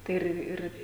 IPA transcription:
tɐɪ ˈɪr ɪr

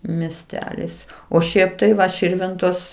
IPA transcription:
mʲiɛsʲˈtʲæːlʲɪs oː ˈʃʲɛɪp tɐɪ ˈʋɐ ˈʃʲɪrʲʋʲɪntoːs

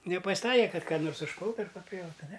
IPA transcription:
nʲɛpɐsʲˈtɐɪkʲeː ˈkɐt ˈkɑː noːrs ʊʃˈpʊlˠtʊ ɐr pɐˈpʲjɛʊtʊ nʲɛ

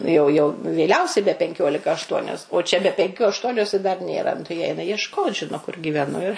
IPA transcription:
ˈnʊ jɛʊ jɛʊ ʋʲeːˈlʲɛʊsʲɛɪ bʲɛ pʲɛŋʲˈkʲoːlʲɪkɐ ɐʃˈtuɔnʲoːs oː t͡ʃʲɛ bʲɛ pʲɛŋʲˈkʲuː ɐʃˈtuɔnʲoːs ɪ dɐr ˈnʲeːrɐ nʊ tɐɪ jiɛ ˈɛɪnɐ jiɛʃˈkoːt ˈʒʲɪnoː kʊr ɡʲiːʋʲɛˈnʊ ɪr

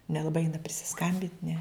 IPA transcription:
nʲɛlˠɐˈbɐɪ ˈɛɪnɐ pʲrʲɪsʲɪˈskɐmʲbʲɪnʲtʲ nʲɛ

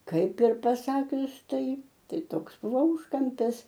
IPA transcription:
ˈkɐɪp ɪr pɐˈsɑːkʲʊs ˈtɐɪ ˈtɐɪ ˈtoːks ˈbʊʋoː ˈuːʃkɐmʲpʲɪs

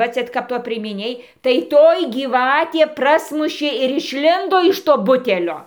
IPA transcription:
ˈʋɐ ˈt͡sʲɛ kɐp ˈtoːj pʲrʲiɛmʲɪˈnʲeːj tɐɪ ˈtoːj ɡʲiːˈʋɑːtʲeː ˈprɑːsmʊʃʲeː ɪr ɪʃʲˈlʲɪndoː ɪʃ ˈtoː ˈbʊtʲɛlʲoː

